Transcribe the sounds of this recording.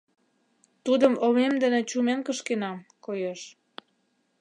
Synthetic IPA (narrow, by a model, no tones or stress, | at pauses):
t̪ud̪əmomemd̪ənĕt͡ɕumenkəʃkenɑmkojeʃ